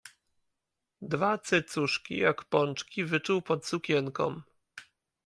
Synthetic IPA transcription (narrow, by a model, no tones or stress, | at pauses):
d̪vat̪sɘt̪suʂkʲḭjakpɔnt͡ʂkʲivɘt͡ʂuwpɔt̪sukʲɛŋkɔ̰m